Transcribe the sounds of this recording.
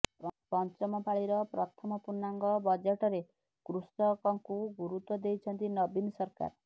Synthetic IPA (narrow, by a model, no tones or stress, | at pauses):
pɔnt͡ʃɔmɔpʰaɭiɾɔpɾɔt̪ʰɔmɔpuɾnːaŋɡɔbɔd͡ʒeʈɔɾe | kɾustɔkɔŋkuɡuɾut̪wɔd̪ejt͡ʃʰʌnt̪inɔbinsɔɾka̰ɾ